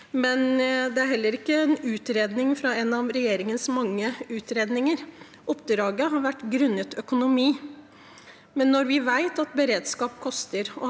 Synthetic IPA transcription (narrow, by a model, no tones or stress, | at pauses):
mɛnd̪ɛæɾɦɛlːəɾɪkːəɛnʉːt̪ɾeːd̪nɪŋfɾɑɛnɑʋɾɛjeːɾɪŋənsmɑŋːəʉːt̪ɾeːd̪nɪŋəɾ | ʔʊpd̪ɾɑːɡəɦɑɾʋæʈːɡɾʉnːət̪ʰœkʊnʊmiː | mɛnːɔɾʋɪʋæɪt̪ɑt̪bəɾeːd̪skɑːpkʰɔst̪əɾɔ